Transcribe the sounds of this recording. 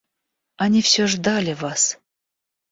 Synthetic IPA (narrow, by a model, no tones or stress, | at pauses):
anʲifsʲoʐd̪alʲɪvas